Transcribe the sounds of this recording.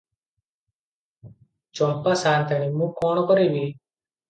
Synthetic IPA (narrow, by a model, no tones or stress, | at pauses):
t͡ʃɔmpasaːnt̪animũːkɔːɳ̃ɔkɔɾeːbiː